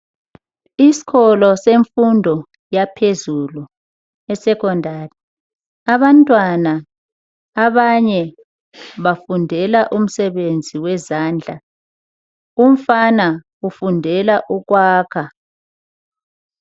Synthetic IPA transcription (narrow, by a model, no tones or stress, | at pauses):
isi̥kɔlɔseɱfundʱɔ | japʰezulu | ɛsɛkʰɔndʱaːri | aβantʼwana | aβaɲɛ | βafundʱɛlaʔum̩sɛβend͡zʱiwɛzaːnd͡ɮʱa | um̩fanaɣufundʱɛlaʔuɣwaːkʰa